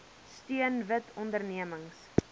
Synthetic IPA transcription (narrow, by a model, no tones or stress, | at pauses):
styənvətʰɔndərniəməŋs